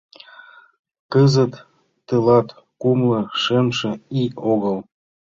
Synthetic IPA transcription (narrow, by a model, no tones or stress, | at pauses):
kəzət̪ː | əlɑt̪ | kumlɤ̆ʃemʃĕioɣəlˠ